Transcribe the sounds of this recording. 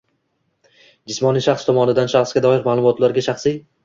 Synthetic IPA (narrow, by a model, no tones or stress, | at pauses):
d͡ʒɪsmɒnijʃaχst̪ʰɒmɒnɪd̪anʃaχsɡʲad̪ɒjɪɾmaːlˠʊmɒt̪laɾɡʲaʃaχsij